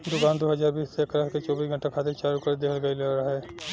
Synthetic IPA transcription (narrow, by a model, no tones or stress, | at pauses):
d̪ʊkaːnd̪oːɦɐd͡ʒaːɾbiːsːekɾəkket͡ʃɔːbiːsɡʱəɳʈakʰaːt̪ẽt͡ʃaːɾukəɾd̪ekʰəlɡəileɾaɦɛː